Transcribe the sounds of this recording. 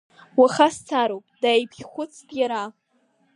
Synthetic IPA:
waχast͡sʰaɾowpʼdaːjpʰɡʲχʷʊt͡sʰdʼjaɾa

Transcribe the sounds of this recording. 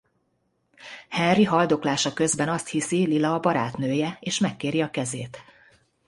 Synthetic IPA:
hɛnriɦɒld̪oklaːʃɒkø̞zbɛnɒst̪hisililɒːbɒɾa̰ːt̪nøːjɛeːʃmɛkːeːɾiɒkɛzeːt̪

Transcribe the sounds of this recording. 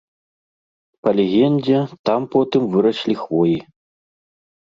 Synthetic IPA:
pɐlʲɛɣʲɛnd͡zʲɛt̪ampɔt̪ɨmvɨɾɐʂlʲixvɔji

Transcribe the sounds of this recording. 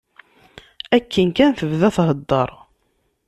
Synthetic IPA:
ækːənkænθəvðæθɦəd̪ːəɾˤ

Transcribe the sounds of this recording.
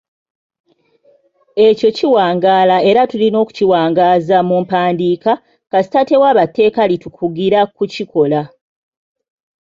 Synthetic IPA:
e̞co̞ciwaːŋɡaːlae̞ɾatulino̞ːku̥ciwaːŋɡaːzamumpaːndiːka | kasi̥tate̞waːβatːe̞ːkalitukʰuɡiɾakuciko̞la

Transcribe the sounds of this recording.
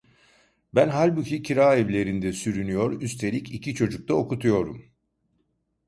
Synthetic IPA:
bænɦalʲbucʰicʰiɾaːɛvlʲe̞ɾind̪ɛsyɾynyjo̞ɾyst̪ʰe̞lʲicicʰit͡ʃʰo̞d͡ʒuk̚t̪ʰaokut̪ʰujo̞ɾum

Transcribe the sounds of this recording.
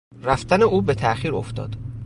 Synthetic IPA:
ræft̪æneuːbe̞t̪ʰæʔxiːɾo̰ft̪ɒ̰ːd̪̥

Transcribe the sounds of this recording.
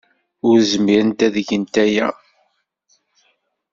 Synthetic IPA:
ʊɾzəmiɾənt̪æðəʝənt̪æjæ̰

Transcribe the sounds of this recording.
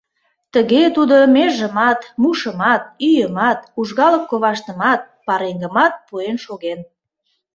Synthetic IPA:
t̪əɣet̪ud̪omeʒəmɑt̪muʃəmɑt̪̚yjəmɑt̪uʒɣɑləkːoβɑʃt̪ə̆mɑt̪̚pɑɾeŋɡəmɑt̪̚puenʃoɣen

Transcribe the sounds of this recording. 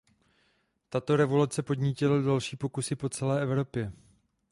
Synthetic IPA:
t̪at̪o̞ɾɛvo̞lut͡sɛpo̞dɲiːcɪladalʃiːpo̞kusɪpo̞t͡sɛlɛːʔɛvɾo̞pjɛ

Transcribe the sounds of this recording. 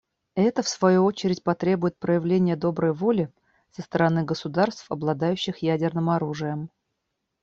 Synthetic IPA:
ɛt̪əfsvɐjuot͡ɕɪɾʲɪtʲpɐt̪ɾʲe̞bʊjɪt̪̚pɾəjɪvlʲenʲɪjəd̪o̞bɾəjvo̞lʲɪ | səst̪əɾɐnɨɡəsʊd̪arst̪fɐblˠɐd̪ajʉɕːɪxjædʲɪrnɨmɐɾuʐɨjəm

